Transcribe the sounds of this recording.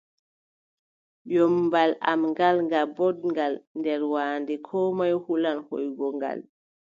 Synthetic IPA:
jɔmbala̰mŋɡalŋɡabɔdŋɡalndɛɾwaːndɛkʰɔːmajhulanho̰jɡɔŋɡa̰l

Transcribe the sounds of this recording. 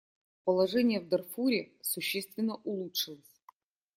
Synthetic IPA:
pəlˠɐʐɛnʲɪjəvd̪ɐrfuɾʲɪsʊɕːest̪vʲɪnːəʔʊlˠutʂɨlˠəsʲ

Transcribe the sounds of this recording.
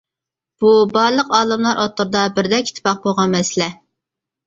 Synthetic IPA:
b̥ubɑɾlˠəqɑːlɨmlˠɑɾʔɑt̪ːʊɾd̪ɑbɪɾd̪ɛkʲi̥t̪ʰɪ̥pɑq̚boʁɑnmɛsɪlɛ

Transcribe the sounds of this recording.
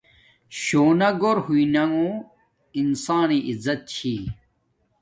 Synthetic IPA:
ɕoːnɐɡoɾhuinɐŋũ | insaːniʔizɐt̪̚t͡ɕʰi

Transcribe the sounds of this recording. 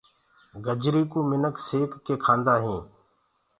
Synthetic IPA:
ɡəd͡ʒɾiːkũːmɪnəkseːkːeːkʰãːnd̪aːɦẽː

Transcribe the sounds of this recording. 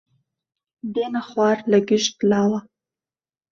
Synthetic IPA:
d̪enaχwɑɾlaɡɪʃt̪lɑwa

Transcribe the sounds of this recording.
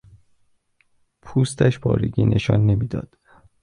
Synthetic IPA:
pʰuːst̪ʰæʃpʰɒ̰ːɾḛɟʲiːnʔeʃɒnːemid̪ɒ̰ːd̪̥

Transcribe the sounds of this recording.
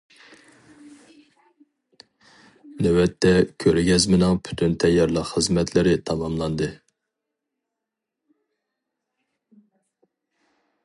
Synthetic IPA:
nɛwɛt̪ʰːɛkʲʰøɾɡʲɛzmɪnɨŋpʰy̥t̪ʰynt̪ʰɛjːɑɾlˠəqχəzmɛt̪ʰlɪɾɪt̪ʰɑmɑmlˠɑnd̪ɨ

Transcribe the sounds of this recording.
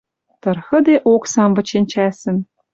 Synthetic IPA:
t̪ɤ̆rxɤ̆d̪eʔoksɑmvɤ̆t͡ɕenʲt͡ɕæsɘ̆n

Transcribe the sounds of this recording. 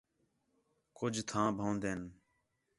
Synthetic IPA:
kʊd͡ʒʱt̪ʰãːbʱõːnd̪eːn

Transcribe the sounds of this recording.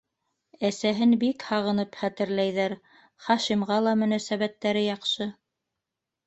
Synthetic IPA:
æsæɦɘnbikhɑʁɤ̆nɤpχæt̪ɘ̆ɾlæjðæɾ | χɑʃimʁɑlˠɑmɵ̆næsæβæt̪ːæɾɘjɑqʃɤ

